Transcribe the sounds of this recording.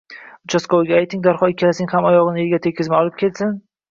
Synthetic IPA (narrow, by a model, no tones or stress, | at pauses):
ʊt͡ʃʰaskowɡʲaːjt̪ɪŋd̪aɾχɒɪkʲʰːalasɪŋhamɒjɒʁɨnɪeɡʲat̪ʰekʲʰːɪzmaɒlˠɪp̚kʲʰe̞lsɪn